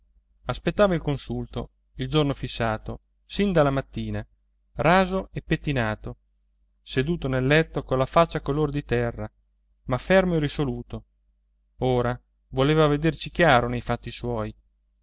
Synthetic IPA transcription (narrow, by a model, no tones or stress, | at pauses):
aspet̪ːaːvailkonsult̪o̰ | ild͡ʒornofisːaːt̪o | sind̪alamat̪ːiːna | raːzoepːet̪ːinaːt̪o | sed̪uːt̪onelːɛt̪ːokolːafat͡ʃːakolord̪it̪ɛrːa | mafɛrmoerisoluːt̪o | oːɾa | voleːvaved̪ersik̟jaːɾonejfat̪ːiswɔːj